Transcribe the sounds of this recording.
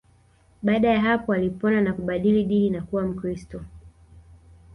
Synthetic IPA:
ɓaaɗajaɦapɔalipɔnanakuɓaɗiliɗininakuwam̩kɾistɔ

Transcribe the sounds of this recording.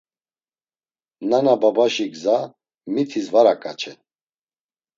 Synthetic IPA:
nanababaʃiɡza | mit̪ʰizvaɾakʼa̰t͡ʃʰɛ

